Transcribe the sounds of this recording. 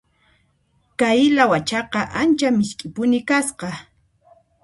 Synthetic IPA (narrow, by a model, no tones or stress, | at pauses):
kajɪlawat͡ʃɑqɑʔant͡ʃamɪʃkʼɪpʊnɪkasqɑ